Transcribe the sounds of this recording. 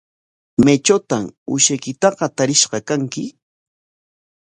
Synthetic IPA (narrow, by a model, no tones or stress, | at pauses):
met͡ʃat̪amʊ̰ʃajkɪt̪ɑɢɑt̪aɾɪʃɢɑkaŋkɪ